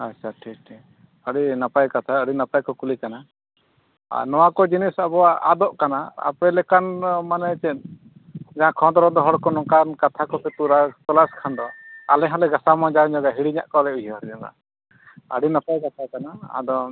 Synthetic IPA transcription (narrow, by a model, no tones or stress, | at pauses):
at͡ʃʰaʈʰik̚ʈʰik | əɽinapajkat̪ʰaəɽinapajkɔkulikana | a̰nɔwakɔd͡ʒinisabɔwaa̰d̪ɔʔkanaa̰pɛlɛkanmanɛt͡ʃɛn | d͡ʒaɦãkʰɔ̃d̪ɔɾɔd̪ɔɦɔɽkɔnɔkankat̪ʰakɔpɛt̪uɾat̪ɔlaskʰand̪ɔalɛɦɔlɛɡasamɔ̃d͡ʒaɲɔɡaɦiɽiɲa̰ʔkɔlɛujaɾd͡ʒɔɡa̰ | ə̰ɽinapajkat̪ʰakanaa̰d̪ɔ